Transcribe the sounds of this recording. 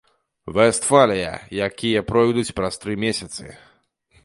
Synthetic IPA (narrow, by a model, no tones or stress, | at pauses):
vɛst̪falʲɛjɐ̰jakʲijɐpɾɔjd̪ut͡sʲpɾɐst̪ɾɨmʲesʲɐt̪sɨ̰